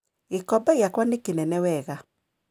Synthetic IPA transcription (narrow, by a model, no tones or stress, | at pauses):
ekɔbaiakwanekenɛnɛwɛɣa